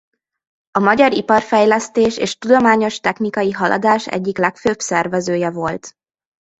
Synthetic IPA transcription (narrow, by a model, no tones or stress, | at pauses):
ɒmɒɟɒɾipɒrfɛjlɛst̪eːʃḛːʃt̪ud̪o̞maːɲo̞ʃt̪ɛxnikɒjiɦɒlʔɒ̰d̪aːʃɛ̰ɟːiklɛkføːbsɛrvɛzøːjɛvo̞lt̪